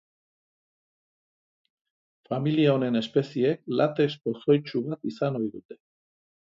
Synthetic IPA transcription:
familiaone̞ne̞spe̞siek̚lʔat̪espo̞so̞jt͡ʃuβat̪isano̞jðut̪e̞̥

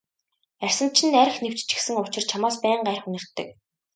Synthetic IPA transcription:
ær̥ʲsə̆n̥t͡ɕʰɪ̆nːæɾ̆xnew̥t͡ɕt͡ɕɪ̥̆xsɘ̆ŋʊt͡ɕɪ̆rt͡ɕʰamaːspæːɴɢærχunɘ̆r̥t̪ːɘ̆k̚

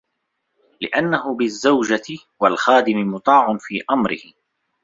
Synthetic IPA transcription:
lɪʔanːaɦʊbɪzːawd͡ʒat̪ | walxaːd̪ɪmɪmʊt̪ˤɑːʕʊnfiːʔamɾɪ̰hɪ

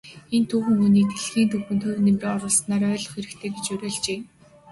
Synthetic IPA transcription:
ent̪ʰuːxɵ̆ŋuniːk̚t̪ʰeɮxiːnt̪ʰɵxɘ̆nt̪ʰɵrnemriːŋɔɾʊːɮsnaːɾœːɮɞ̆χxeɾɘ̆kt̪ʰeːɡet͡ɕɵɾʲɔːɮt͡ɕeː

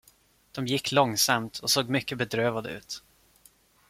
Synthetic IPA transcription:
d̪̥ɔmjɪkːlɔŋsamt̪ʰɔsoːɡmʏkːəbɛd̪ɾøːvad̪ə̰ʉ̟̰ːt̪

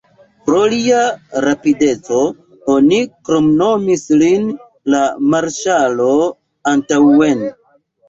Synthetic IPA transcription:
pɾo̞liaɾapide̞t͡so̞ | o̞nikɾo̞mno̞mislin | lamaɾʃalo̞ | antawen

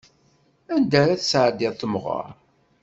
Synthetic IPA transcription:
ænd̪æɾæθsʕd̪ɪθəmʁə̰ɾ

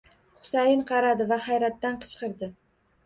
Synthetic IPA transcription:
χʊ̥sajɪnqʰɑɾad̪ɪvahajɾat̪ːanqʰɨ̥t͡ʃqɨɾd̪ɪ

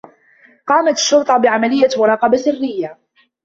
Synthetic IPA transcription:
qɑːmat̪ɪ̥ʃːʊɾt̪ˤɑbɪʕamalɪjːawʊɾˤɑːqɑbasɪrːɪjːa

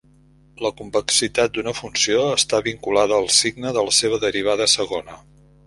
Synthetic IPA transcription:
ləkumpəksit̪at̪̚d̪unəfunsioəst̪aβiŋkulaðəːlˠsiɡnəðələseβ̞əðəɾiβ̞aðəsəɣonə

